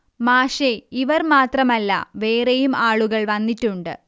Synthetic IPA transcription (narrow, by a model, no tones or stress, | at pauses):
maːʂeiʋɐrmaːt̪rɐmɐlːɐ̰ʋe̞ːrejumaːɭuɣɐɭʋɐnːitːuɳɖɨ̰